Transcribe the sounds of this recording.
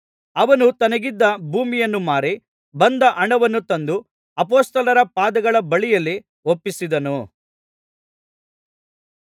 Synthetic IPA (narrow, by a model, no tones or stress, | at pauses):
ɐʋɐnut̪ɐnɐɡid̪ːɐbʱuːmijɐnːumaːɾi | bɐnd̪ɐʔɐɳɐʋɐnːut̪ɐnd̪u | ɐp̬oːst̪ɐlɐɾɐpaːd̪ɐɡɐɭɐbɐɭijɐlːi | opːisid̪ɐnu